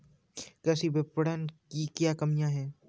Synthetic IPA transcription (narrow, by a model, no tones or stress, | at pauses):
kɛːsibɪpəɽənkikjaːkɐmijãɦɛː